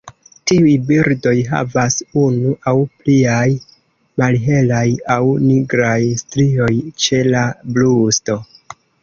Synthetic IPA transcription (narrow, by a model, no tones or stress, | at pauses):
tiujbiɾdo̞jɦa̰vasunuʔawpliaj | malɦe̞lajawniɡɾajstɾio̞jt͡ʃe̞lablusto̞